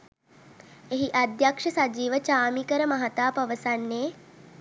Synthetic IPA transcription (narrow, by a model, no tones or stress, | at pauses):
eɦiʔad̪jakʂəsad͡ʒiːʋət͡ʃaːmikəɾəmaɦat̪aːpaʋəsanːeː